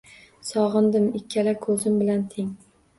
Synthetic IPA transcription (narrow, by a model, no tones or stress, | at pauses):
sɒʁɨnd̪ɪmɪkʲʰːalakʰɵzɪmbɪlant̪ʰeŋ